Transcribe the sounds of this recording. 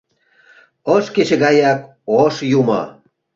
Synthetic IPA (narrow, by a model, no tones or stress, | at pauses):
əʃket͡ɕĕɣɑjɑk̚ | oʃjumo̰